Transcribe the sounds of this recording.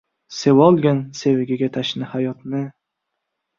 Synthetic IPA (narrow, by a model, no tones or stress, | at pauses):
sewɒlˠɡʲansevɪɡʲaɡʲat̪ʰaʃnɪhajɒt̪nɪ